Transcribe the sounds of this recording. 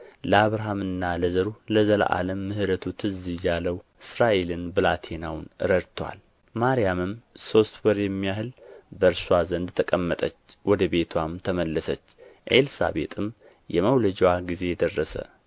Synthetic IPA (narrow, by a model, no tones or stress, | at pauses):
ləaβɾaɦamɨnːaləzəɾuləzəla̰ʔa̰ləmːɨhɨɾət̪ʰut̪ʰɨzːijalːəwɨsɾaʔe̞lɨnbɨlat̪ʰe̞nawnɨɾəɾt̪ʰwa̰l | maɾjamɨmso̞st̪wɔɾjɛmːijahɨlbəɾsuwazənd̪t̪ʰəkʼəmːət̪ʼət͡ʃːwɔd̪əβe̞t̪ʰwamt̪ʰəməlːəsət͡ʃːʔelsa̰be̞̰t̪ʼɨm | jɛməwləd͡ʒwaɡize̞jɛd̪ərːəsə̰